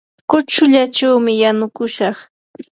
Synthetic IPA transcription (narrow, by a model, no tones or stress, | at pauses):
kʊt͡ʃʊʎat͡ʃawmɪjanʊkʊʃɑχ